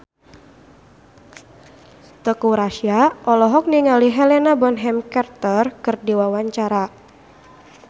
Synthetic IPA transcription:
t̪əkuɾaʃiaʔɔlɔɦɔk̚niŋaliɦɛlɛnabɔnɦɛmkɛrt̪ərkərdiwawaɲt͡ʃaɾa

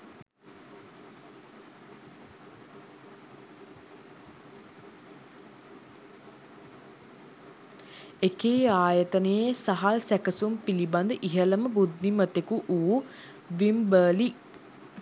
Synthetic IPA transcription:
ekeːaːjət̪ənejesaɦalsækəsumpiliband̪əʔiɦələməbud̪nimət̪ekuʔu | ʋimbəːli

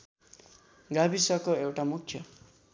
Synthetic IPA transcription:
ɡabisʌkoewʈamukʰːjʌ

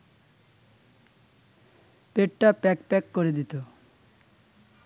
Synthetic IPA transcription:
peʈʈapɛkpɛkːoɾed̪it̪o

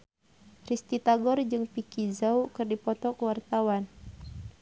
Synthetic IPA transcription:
rist̪it̪aɡɔrd͡ʒɨŋpikizaukɨrdipɔt̪ɔkuwart̪awan

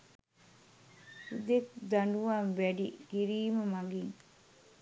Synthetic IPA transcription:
ud̪ek̚d̪ɐɳɖuʋanʋæɖiɡ̥iɾiːmɐmɐɡiŋ

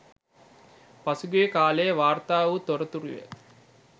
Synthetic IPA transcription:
pasuɡujkaːlejəʋaːrt̪aːʋut̪oɾət̪uɾiʋḛ

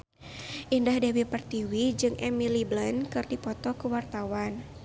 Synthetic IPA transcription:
ʔindahdɛwipərt̪iwid͡ʒɨŋʔɛmiliblənkɨrdipɔt̪ɔkəwart̪awan

